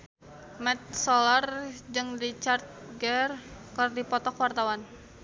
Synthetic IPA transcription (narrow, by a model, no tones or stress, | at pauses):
mɛt̪̚sɔlard͡ʒəŋrit͡ʃart̪̚ɡɛrkərdipɔt̪ɔkwart̪awan